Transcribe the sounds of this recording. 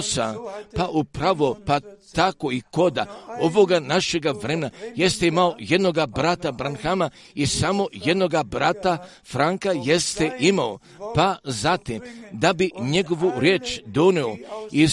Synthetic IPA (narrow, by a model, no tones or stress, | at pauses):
sa̰paʔupɾaʋo̞pat̪ako̞iko̞d̪a̰o̞ʋoɡanaʃe̞ɡaʋɾemenaje̞st̪eimaoje̞d̪no̞ɡabɾat̪abɾanxama | isamo̞je̞d̪no̞ɡabɾat̪a | fɾaŋkajest̪eʔimao | pazat̪imd̪abiɲe̞ɡo̞ʋuɾje̞ːt͡ʃd̪o̞neoi